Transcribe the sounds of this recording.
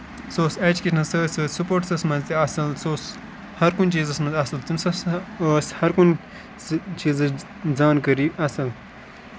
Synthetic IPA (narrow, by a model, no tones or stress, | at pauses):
soːseːt͡ʃkinɐsəsəːsupoːɾʈsɐsmɐnzt̪iɐsɐlsoːs | hɐɾkunt͡ʃiːzɐsmɐnzd̪ɐsɐlt̪umsɐsəshɐɾkun | t͡ʃiːzɐ | d͡zaːnkɐɾiʔɐsɐl